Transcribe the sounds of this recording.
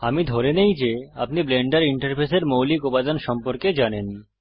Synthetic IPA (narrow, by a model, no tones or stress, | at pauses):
amid̪ʱɔɾenejd͡ʑea̰p̚nibleɳɖaɾiɳʈaɾpʰeseɾmowlikobad̪anʃɔmpoɾked͡ʑanen